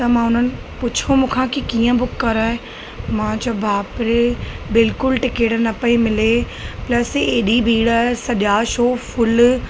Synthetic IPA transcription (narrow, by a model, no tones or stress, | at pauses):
t̪ɐmãːʊn̤ənɪ̆ | pʊt͡ɕʰomũːkʰãkikiːə̃bʊkːɐɾaːɦe | mãːd͡ʑɐbʱaːpɾebɪlkʊlʈɪkeːʈnɐpəimɪle | plɐseːɗibʱiːɽaːɦesɐʄaːʃoːfʊl